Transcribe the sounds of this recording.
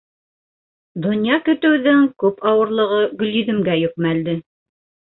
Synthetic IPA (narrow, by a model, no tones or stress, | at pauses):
d̪ŏnjɑkɵ̆t̪ɘ̆wðɘŋkʉpʰɑwɤ̆ɾlˠɤ̆ʁɤɡɵ̆liðɘ̆mɡæjɵ̆k̚mæld̪ɘ